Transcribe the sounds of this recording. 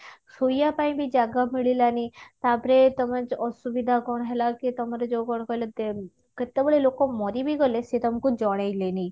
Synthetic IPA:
sujapaĩbʱid͡ʒaːɡamiɭilanit̪aːbɾet̪ɔməd͡ʒɔsubid̪ʱakɔɽ̃ɦɛlakit̪ɔmɾed͡ʒokɔɽ̃kɔld̪e | kət̪ːeboɭelokomɔɾibʱiɡɔleset̪ɔmkud͡ʒɔɽaileni

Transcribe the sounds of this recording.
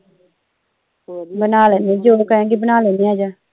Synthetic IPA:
bənaːlɛnẽːd͡ʒoːkəɦɛ̃ːɡibənaːlɛnĩaːd͡ʒaː

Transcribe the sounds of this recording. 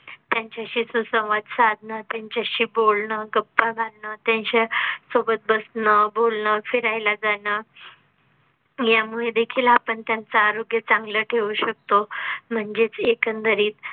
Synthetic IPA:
t̪jaɲt͡ɕjaɕiːsusə̃w̃ʋad̪sad̪ʱnət̪jaɲt͡ɕjaɕiːbolnəɡəpːaɡʱanət̪jaɲɕasobət̪̚bəsɳəbolɳəfiɾajlad͡zanə | jamuɭed̪ekʰiːlapəɳt̪jant͡saːɾoɡjət͡sãŋɡləʈʰeʋuɕək̚t̪om̤əɳd͡zet͡sekənt̪əɾiːt̪

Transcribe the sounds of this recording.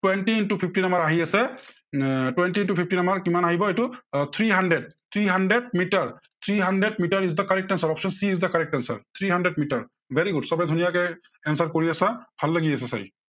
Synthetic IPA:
twɛntintupʰip̚ʰtinamaɹaɦiasɛ | twɛntintupʰip̚ʰtinamaɹkimanaɦibɔejtut̪ʰɹiɦandɹɛd̚t̪ʰɹiɦandɹɛd̚mitaɹt̪ʰɹiɦandɛdmitaɹis̬dakaɹɛk̚tɛnsaɹɔpsɔnsiːzdakaɹɛk̚tɛnsa̰ɹt̪ʰɹiɦandɛdmitaɹ | bʱɛɹiɡudsɔbɛdʱunijakɛ | ɛnsaɹkoɹiasabʱalːaɡiasɛsa̰j

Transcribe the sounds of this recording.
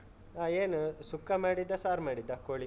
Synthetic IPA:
aːeːnusukːɐmaːɽid̪ːɐsaːɾmaːɽid̪ːɐkoːɭi

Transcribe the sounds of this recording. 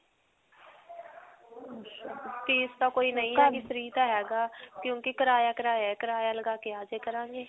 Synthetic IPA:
p̪iːst̪aːkoːinəĩisəɾiːt̪aːɦɛːɡaːkjõːkekəɾaːjaːkəɾaːjaːkəɾaːjaːləɡaːkeaːd͡ʒeːkəɾãːŋɡeː

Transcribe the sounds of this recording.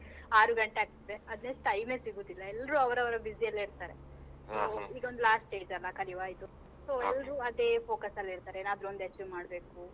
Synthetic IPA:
aːɾuɡɐɳʈeaːɡ̚t̪ɐd̪eɐd̪neʂʈɐjme̞ːsiɡuːd̪ilːɐɛlːɐɾuːɐʋɾɐʋɐɾɐbiziɐlːiɾt̪aːɾe | soːiːɡɐond̪ulaːsʈe̞ːd͡ʒɐlːɐkɐliʋaːjit̪u | so̞ːɛlːɐɾuːɐd̪e̞ːpʰo̞ːkɐsɐlːɐiɾt̪aːɾeeːnaːd̪ɾuond̪et͡ʃːʋimaːɽbe̞ːku

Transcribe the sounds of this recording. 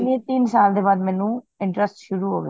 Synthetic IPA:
niẽt̪iːnsaːld̪ebaːd̪mɛnũ | ɪ̃ɳʈɾəsʈʃʊɾuɦo̰ːɡḛ

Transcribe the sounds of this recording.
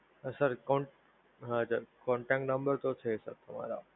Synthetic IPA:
sɐɾkɔ̃ːɳʈ | ɦãd͡ʑəkɔ̃ːɳʈɛk̚ʈnɐ̃mbəɾt̪ot̪ʰesɐ̰ɾt̪ʰɐm̤a̰ːɾa̰ː

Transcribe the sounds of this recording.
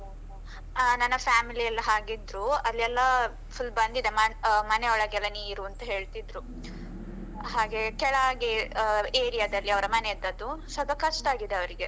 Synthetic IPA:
nɐnːɐpʰjaːmiliɐlːɐɦaːɡid̪ɾuɐlːɛlːɐ | pʰulbɐnd̪id̪emɐmɐneɔɭɐɡɛlːɐniːiɾuɐnt̪ɐɦe̞ːɭt̪id̪ɾu | ɦaːɡe̞kɛɭɐaːɡieːɾijɐd̪ɐlːiɐʋɐɾɐmɐned̪ɐd̪usɐb̪ʱɐkɐʂʈaːɡid̪eɐʋɐɾiɡe̞

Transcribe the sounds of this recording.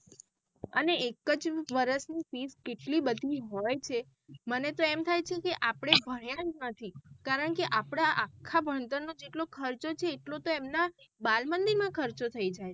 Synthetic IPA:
əneekəd͡ʒʋəɾəsnifiskeʈlibəd̪ʱiɦojt͡ʃʰe | mənet̪oemt̪ʰajt͡ʃʰekeʔapɽ̃ebʱəɽjãd͡ʒnət̪ʰikaɾəɳkeʔapɽ̃aʔakʰːabʱəɳt̪ənːod͡ʒeʈlokʰəɾt͡ʃot͡ʃʰeːʈlot̪oemnabalmənd̪iɾmãkʰəɾt͡ʃot̪ʰəid͡ʒaj

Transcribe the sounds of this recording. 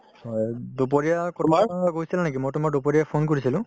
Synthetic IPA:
ɔdop̬ɔɹijakɔmaɡoɦisilanakimojʈʊmadopoɹijapʰonkoɹisilʊ̃

